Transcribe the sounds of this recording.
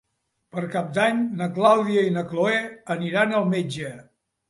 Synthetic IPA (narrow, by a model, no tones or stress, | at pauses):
pəɾkap̚d̪aɲnəklawðiəinəkloɛəniɾanəlˠmed͡ʒə